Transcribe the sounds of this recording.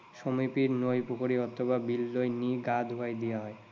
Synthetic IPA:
ʃomipiɾnojpukoɾiɔt̪ʰːobabilːojniɡad̪ʱɦoaed̪ijaɦɔe

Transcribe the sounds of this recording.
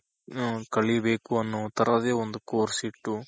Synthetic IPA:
kɐɭibeːkuɐnːoːt̪ɐɾɐd̪eːond̪ukoːɾsiʈːu

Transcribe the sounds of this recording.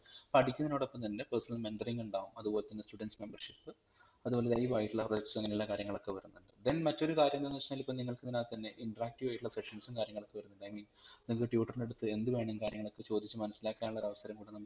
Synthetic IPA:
pɐʈʰikʲːunːɐnoːɽopːɐmt̪ɐnːepesɐnɐlme̞nɖɐriŋɡuɳɖaːʋumɐðubo̞ːle̞t̪ɐnːestuɖensme̞mbɐrʂipːɨ | ɐðubo̞ːlelɐjʋaːjiʈːuɭːɐproɐkːsɐŋːɐnuɭːɐkaːɾjɐŋːɐɭo̞kːe̞ʋɐɾunːuɳɖɨd̪enmɐtːo̞ɾukaːɾjɐmd̪ɐnːɐt͡ɕːɲaːlipːomniŋːɐɭkɨninaːlt̪ɐnːe̞ʔiɳʈɐraːk̚ʈiʋaːjiʈːuɭːɐseʂɐnsumkaːɾjɐŋːɐɭokːeʋɐɾunːuɳɖɨɐjmiːnniŋɐkɨʈjuːʈːɐrne̞ɽut̪ːɨe̞nd̪uʋe̞ːɳɐmkaːɾjɐŋːɐɭo̞kːɨt͡ɕo̞ːd̪it͡ɕːuɨmɐnɐsːilaːkːaːnuɭoɾɐʋɐsɐɾɐmkuːɽɐnɐmːɐ

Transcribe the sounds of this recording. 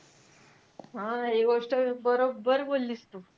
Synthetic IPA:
ɦãekʋəʂʈəbəɾobːəɾbolːist̪u

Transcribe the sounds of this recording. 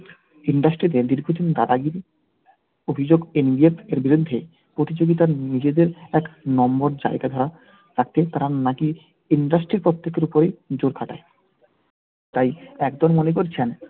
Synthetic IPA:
iɳɖasʈɾid̪eɾd̪iɾɡʱod̪ind̪ad̪aɡiɾ | obʱid͡ʑoɡinbieteɾbiɾud̪ʱːe | pɾot̪it͡ɕoɡit̪aɾnid͡ʑed̪eɾɛknɔmboɾd͡ʑa̰eɡad̪ʱɔɾa | ɾakt̪et̪aɾanaki | iɳɖasʈɾiɾpɾot̪ːekːeɾupoɾed͡ʑoɾkʰaʈa̰e | t̪ajɛkd̪ɔɾmonek̬oɾt͡ɕʰen

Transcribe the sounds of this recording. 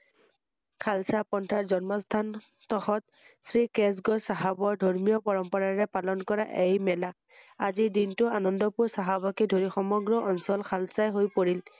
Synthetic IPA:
kʰalsapɔntʰaɹzɔnmɔst̪ʰan | t̪ɔxɔt̪̚ | sɹikes̬ɡɔɹsaɦabɔɹdʱɔɹmijɔpɔɹɔmpɔɹaɹɛpalɔnkɔɹa̰ʔejmɛlak̚ | azidintʊanɔndɔpʊɹsaɦabɔkedʱoɹixɔmɔɡɹɔʔɔnsɔlkʰalsajɦojpoɹil

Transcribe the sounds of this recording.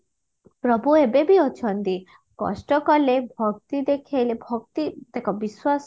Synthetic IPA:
pɾɔbʱuebebiɔt͡ʃʰɔnt̪i | kɔ̰sʈɔkɔlebʱɔɡt̪id̪ekʰejlebʱɔɡt̪id̪ekɔbiswas

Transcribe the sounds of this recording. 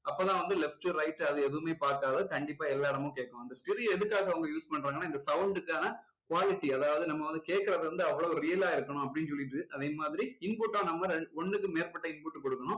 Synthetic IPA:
ɐpːoːt̪ãːʋɐnd̪ɯlɛfʈɯɾɐɪʈːɐðɯɛðɯʋɯmeːpaːɾkaːðɯkɐɳɖɪpːaːɛlːaːɽɐmʊ̃keːʈkːɐɳʊ̃ɐnd̪ɐsʈɪɾijɛðɯkːaːɣɐʋɐŋɡɐjuːspɐɳːɾaːŋɡɐnaːɪnd̪ɐsɐʊɳɖɯkːaːnɐ | kʊʋaːlɪʈːiɐðaːʋɐðɯnɐmːɐʋɐnd̪ɯkeːʈ̚kːɐɾɐðɯɾɯnd̪ɯɐʋːɐɭoːɔɾɾɪjɐlaːɪɾɯkːɐɳʊ̃ɐp̬ːɐɽɪnːɯsɔljɪʈːɯʔɐðeːmaːðɪɾiɪnpʊʈːãːnɐmːɐɾɛɔɳːɯkːɯmeːɾpɐʈːɐɪnpʊʈːɯkɔɽɯkːɐɳʊ̃

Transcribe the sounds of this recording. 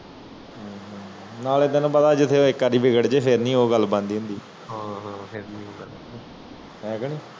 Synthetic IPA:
ɦaɦ | naːled̪ənãːbəd̪aːd͡ʒɪt̪ʰːeːoːɪkːaɾiːbɪɡəɽd͡ʒeːpʰɪɾnĩːoːɡəlbãːnd̪iːɦʊ̃nd̪iː | ɦaːɦpʰɪɾnĩːoːɡəl | ɦɛ̃ːɡəniː

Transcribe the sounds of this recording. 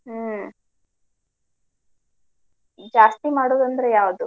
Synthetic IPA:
d͡ʒaːst̪imaːɽoːd̪ɐnd̪ɾejaːʋd̪u

